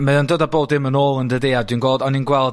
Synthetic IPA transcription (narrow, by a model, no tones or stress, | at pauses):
maəndədaboːdðɪmənoːlˠəndədeadunɡwoːlˠdɔninɡwɛlˠ